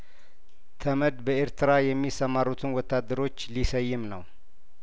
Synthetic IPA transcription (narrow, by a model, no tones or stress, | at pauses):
t̪ʰəməd̪bəeɾt̪ʰɨɾajɛmːisəmaɾut̪ʰɨnwɔt̪ʰːad̪ːəɾo̞t͡ʃːlisəjːɪmnəw